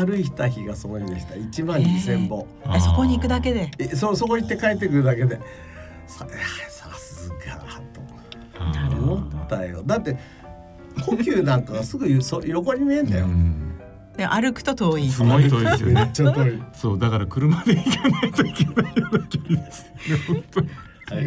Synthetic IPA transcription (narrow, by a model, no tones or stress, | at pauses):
aɾɯ̟içi̥t̪açiɡasooid̪eɕi̥t̪ait͡ɕibãɲɲisẽ̞mbo̞ | soko̞ɲ̟iːkɯ̟d̪ake̞d̪esoso̞koɲit̪ːe̞kaet̪̬ːe̞kɯ̟ɾɯ̟d̪ake̞d̪e̞ | saesasɨzɨka̰t̪o | ot̪aejo̰d̪at̪ːe̞ | kokʲɨːnãŋkaɡasɨɡɯ̟jsoɾo̞koɲ̟ːimʲiẽ̞nd̪a̰jo̰ | d̪̥em̰ʔaɾɯ̟kɯ̟̥t̪ot̪oːisɨoit̪ost͡ɕːat̪oːisoːd̪akaɾakɯ̟ɾɯ̟mad̪eikenait̪oikʲenaad̪akeɾʲid̪esɨjonehõnt̪oi